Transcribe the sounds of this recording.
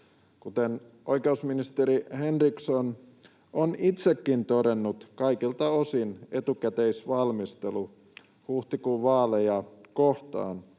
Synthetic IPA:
kut̪en | ʔoikeusminist̪eɾihenrikson | onit̪sekːint̪oɾenːut̪kɑikilt̪ɑosine̞t̪ukæt̪eisʋɑlmist̪elu | huht̪ikuʋɑːlejɑkoht̪ɑ̰ːn

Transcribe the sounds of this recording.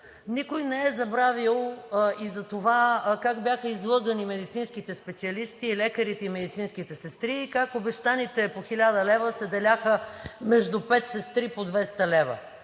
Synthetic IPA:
nikojnɛɛzɐbɾavilˠizɐt̪ovakaɡbʲjaxəizlˠɤɡənimɛd̪it̪sinskit̪ɛspɛt̪siɐlist̪iːlɛkəɾit̪ɛimɛd̪it̪sinskit̪ɛsɛst̪ɾiːkakobɛʃt̪anit̪ɛpoxilʲad̪əlɛvəsɛd̪ɛlʲaxəmɛʒd̪upɛt̪sɛst̪ɾipod̪vɛst̪ɐlɛvə̰

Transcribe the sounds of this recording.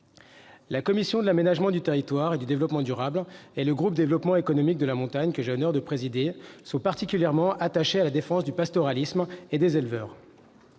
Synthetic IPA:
lakɔmisjɔ̃d̪əlamenaʒmɑ̃d̪yt̪eʁit̪waʁed̪yd̪evlɔpmɑ̃d̪yʁableləɡʁup̚d̪evlɔpmɑ̃ekɔnɔmik̚d̪əlamɔ̃t̪aɲkəʒeənœʁd̪əpχezid̪esɔ̃paʁt̪ikʲyljɛʁmɑ̃ʔat̪aʃealad̪efɑ̃sd̪ypast̪ɔʁalismed̪ezelvœːʁ

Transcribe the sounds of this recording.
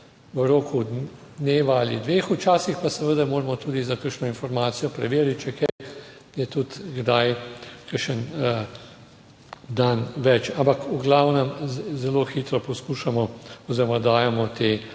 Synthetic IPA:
ʋəɾoːkʰud̪d̪neːʋaːlḭd̪ʋeːxut͡ʃaːsixpasɛʋəd̪amoːɾmɔt̪uːd̪izakəɾʃnɔinfɔɾmaːt̪sijɔpɾɛʋeːɾit̪̚t͡ʃɛkɛj | jɛt̪ut̪ɡd̪ajkəɾʃən | d̪anʋɛt͡ʃampakʰuɡlawnɛmzɛloxiːt̪ɾɔpɔskuːʃamɔɔziːɾɔmad̪aːjɛmɔt̪e

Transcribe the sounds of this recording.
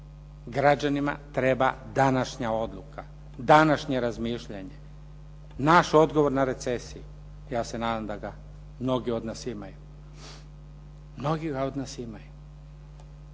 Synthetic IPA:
ɡɾad͡ʑanima̰t̪ɾe̞ba̰ | d̪anaʃɲao̞d̪lˠuka | d̪anaʃɲe̞ɾazmiʃʎaɲe | naʃo̞d̪ɡo̞ʋo̞ɾnaɾe̞t̪sesiju | jaːse̞naːd̪amd̪aɡa | mno̞ɡio̞d̪nasimaju | mno̞ɡiɡao̞d̪nasimaju

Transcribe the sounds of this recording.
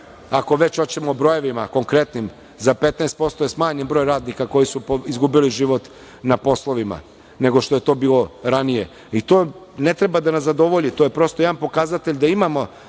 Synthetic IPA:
ako̞ʋe̞t͡ɕot͡ɕemobɾo̞je̞ʋimako̞ŋkɾe̞t̪nim | zape̞t̪nɛːst̪̚po̞st̪ojesmaːɲimbɾo̞ːjɾaːd̪nikako̞jisupoizɡubiliʒiʋo̞t̪ | napo̞slˠo̞ʋima̰ | ne̞ɡo̞ʃt̪ojet̪o̞ːbiːlo̞ɾanije | it̪oː | ne̞t̪ɾe̞bad̪anazad̪o̞ʋo̞ʎit̪ojepɾo̞st̪ojeanpo̞kazat̪eʎʲd̪aimamo̞

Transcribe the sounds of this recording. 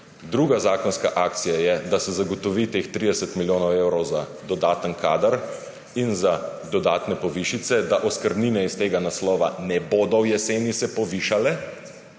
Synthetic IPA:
d̪ɾuːɡazaːkɔnskaʔaːk̚t̪sijajɛd̪asɛzaɡɔt̪ɔʋit̪eːxt̪ɾid̪ɛsət̪miljoːnɔweːwɾɔwza | d̪ɔd̪aːt̪ənkʰaːd̪əɾ | inzad̪ɔd̪aːt̪nɛpɔʋiːʃit̪sɛd̪aʔɔskəɾd̪niːnɛist̪eːɡanaslɔːʋa̰nɛboːd̪ɔwjɛseːnisɛpɔʋiʃalɛ

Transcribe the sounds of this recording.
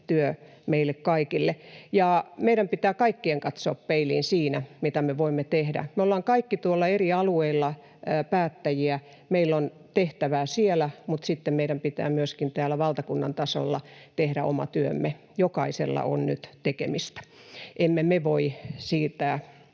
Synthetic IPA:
t̪yø | meilːˑekkɑikilːejɑmeiɾæmpit̪æːkɑikːieŋkɑt̪so̰ːppeilḭːnsiːnæmit̪æmeʋoimːet̪ehdæ̰meolːɑːŋkɑikːit̪uolːɑeriɑlueilːɑ | pæːt̪ːæjiæ | meilːon | t̪eht̪æʋæːsielæmut̪sit̪ːemmeiɾæmpit̪æ̰ːmyøskint̪æːlæʋɑlt̪ɑkunːɑnt̪ɑso̰lːɑ̰t̪ehɾæʔo̰mɑ̰t̪yømːe | jokɑisḛlːɑ̰ʔo̰nny̰t̪t̪ekḛmist̪æ̥ʔemːemeʋoisiːt̪æː

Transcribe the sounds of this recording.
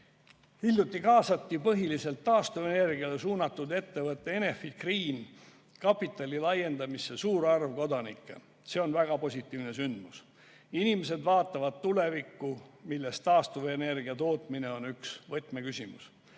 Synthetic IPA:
ilʲjut̪ːˑikɑːsɑt̪ːipɤɦilise̞lt̪ːɑːst̪uvene̞rɡ̥iɑle̞suːnɑt̪ːˑud̪e̞t̪ːe̞vɤt̪ːˑe̞ene̞fikriːn | kɑpːˑit̪ːˑɑlʲilɑje̞nd̪ɑmisːe̞suːɾɑrvko̞d̪ɑnikːˑḛ | se̞o̞nvæɡ̥ɑpo̞sʲit̪ːˑiːvne̞synd̪̥mus | inimes̬e̞d̪vɑːt̪ːˑɑvɑd̪̥̚t̪ːule̞vikːumilːe̞st̪ɑːst̪uvene̞rɡ̥iɑt̪o̞ːt̪ˑmine̞o̞nyksvɤt̪ːˑme̞kysʲimṵs

